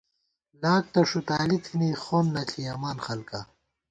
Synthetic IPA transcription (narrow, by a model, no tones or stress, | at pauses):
laːk̚t̪ɐʂut̪aːlit̪ʰinixoːnːɐɬʰiɐmaːnxɐlka